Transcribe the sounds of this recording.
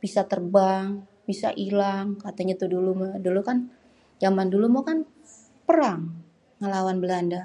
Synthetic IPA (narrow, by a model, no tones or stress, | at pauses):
b̥isat̪ərbaŋ | b̥isa̰ʔilaŋkat̪aɲat̪udulumodulukan | d͡ʒamandulumokan | pəɾaŋː | əlawanbəlanda